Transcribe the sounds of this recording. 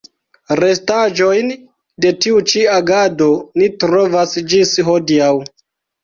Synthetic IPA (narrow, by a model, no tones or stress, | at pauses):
ɾe̞stad͡ʒo̞jn | de̞tiut͡ʃiaɡado̞nitɾo̞vasd͡ʒisɦo̞diaw